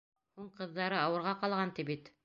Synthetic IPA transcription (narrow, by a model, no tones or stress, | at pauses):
huɴqɤ̆ðːɑɾɤɑwɤ̆ɾʁɑqɑlˠʁɑnt̪ipit̪